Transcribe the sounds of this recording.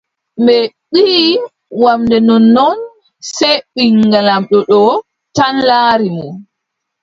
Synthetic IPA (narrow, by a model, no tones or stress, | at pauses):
mbɛɓi | wamdɛnɔnːɔn | sɛɓiŋɡalamɗɔɗɔ | tanlaːɾimu